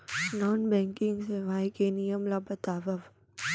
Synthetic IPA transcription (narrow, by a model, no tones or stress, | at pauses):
nɔːnbɛ̃ːŋkɪ̃ŋɡseʋaːjkenijəmlabɐt̪aːʋɐʋ